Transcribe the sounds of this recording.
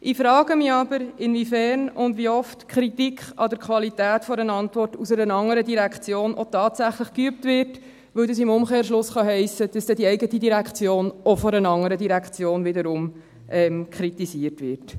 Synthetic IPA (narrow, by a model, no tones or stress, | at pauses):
ʔifɾɑːɡ̥əmiɑbəɾɪnvifɛɾnʊndʋiɔftkʰɾitikχɑdəɾkχʋɑlitæːtfɔɾənɑntʋɔrtusɛɾənɑŋəɾədiɾækχt͡sjoːnʔɔtɑːtsæχləχkyəp̚tʋɪɾt | ʋɵwdəsɪmʊmχeːɾʃlʊsχɑɦɛɪsəd̥ɑsd̥ɛdiɛɪɡətidiɾækʰt͡sjoːnʔɔfɔɾənɑŋəɾədiɾækt͡sjoːnvɪdəɾʊm | ʔɛmkʰɾitisiəɾtʋɪɾt